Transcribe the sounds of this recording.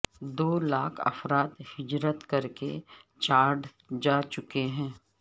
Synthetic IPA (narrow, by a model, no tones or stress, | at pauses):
d̪oːlaːkʰɐ̰fɾaːt̪hɪd͡ʒɾət̪kɐɾkḛt͡ʃaːɾɖ | d͡ʒaːt͡ʃʊkeɦɛ̃ː